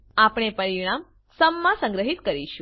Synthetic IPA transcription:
apɳ̃epəɾiɽ̃am | səmːãsə̃ŋɡɾəɦit̪kəɾiʃũ

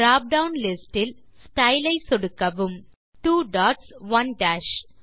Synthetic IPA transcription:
ɾaːp̚ɖɐʊnlɪsʈɪl | sʈɐɪlɐɪsɔɽɯkːɐʋɯm | ʈuːɖaːʈsʋɐnɖæːʃ

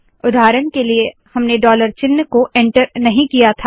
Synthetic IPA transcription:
ʊd̪aːɾənkeliehɐmneɖɔːləɾt͡ʃɪnːkoʔɛ̃ːɳʈəɾnɐɦĩkijat̪ʰaː

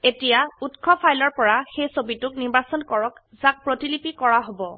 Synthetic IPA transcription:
etijautkʰɔpʰajlɔɹpɔɹaxejsobitʊkniɹbasɔnkɔɹɔk | zak̚pɹotilipikɔɹaɦobɔ

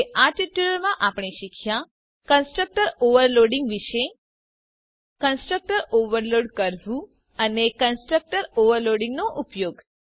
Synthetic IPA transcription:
ʔaʈiʈuləɾmãʔapɽ̃eʃikʰjã | kənsʈɾək̚ʈəɾoʋəɾloɖĩŋɡʋiʃe | kənsʈɾək̚ʈəɾoʋəɾloɖkəɾʋũ | ənekənsʈɾək̚ʈəɾoʋəɾloɽĩŋɡnoʔupjoɡ

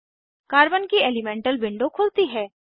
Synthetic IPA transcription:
kaːɾbənkieːlimɛ̃ːɳʈəlbɪ̃ɳɖokʰʊːlt̪iɦɛː

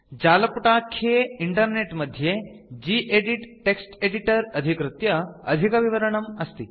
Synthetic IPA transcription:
d͡ʒalɐpuʈakʰeiɳʈəɾneʈməd̪ʱːje | d͡ʑiːʔeɽiʈʈːeksʈeɽiʈəɾɐd̪ʱikɾɨt̪jɐə̰d̪ʱikɐʋiʋəɾəɳ̃ɐmɐst̪i

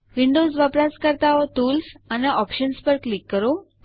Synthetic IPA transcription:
ʋiɳɖosʋəpɾaskəɾt̪aʋət̪uːlsaneʔɔpɕənspəɾklikːəɾo

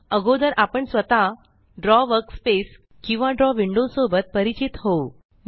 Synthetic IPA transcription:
əɡod̪əɾʔapəɳsʋət̪a | ɖɾɔʋəɾkspes | kĩw̃ʋaɖɾɔʋiɳɖosobət̪̚pəɾit͡ɕit̪ɦo

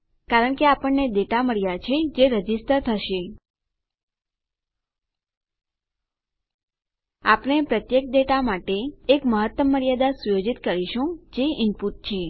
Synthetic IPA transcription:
kaɾəɳkeapəɳːed̪eʈaməɾjat͡ʃʰed͡ʒeɾəd͡ʒistəɾt̪ʰəʃe | apnepɾət̪jek̚d̪eʈamaʈeːkməɦət̪ːəmːəɾjad̪asujod͡ʒit̪kəɾiʃũd͡ʒeɪmpuʈ̚t͡ʃʰe

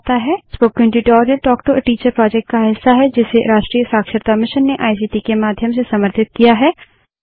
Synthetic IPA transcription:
t̪aɦɛspoːkːə̃ɳʈuːʈɔːɾjəlʈɔːk̚ʈoʔəʈiːt͡ʃəɾpɾɔːd͡ʒɛk̚ʈkaɦɪsːaɦɛd͡ʒɪseɾaːʃʈɾiːəsaːkʃəɾt̪amɪʃənːeʔaːis̬iːʈiːkemaːd̪ʱjəmsesɐməɾt̪ʰɪt̪̚kijaɦɛː

